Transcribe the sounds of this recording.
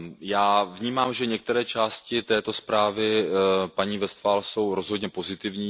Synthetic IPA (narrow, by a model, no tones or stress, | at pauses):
jaːvɲiːmaːmʒɛɲɛk̚t̪ɛɾɛːt͡ʃaːscɪt̪ɛːt̪o̞spɾaːvɪpaɲiːvɛst̪faːlso̞wɾo̞zɦo̞d̪ɲɛpo̞zɪt̪ɪvɲiː